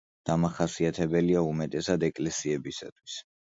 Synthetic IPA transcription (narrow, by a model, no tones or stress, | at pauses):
d̪̥amaχasiat̪ʰɛbɛliaumɛt̪ʼɛsad̪ɛkʼlɛsiɛbisa̰t̪ʰwis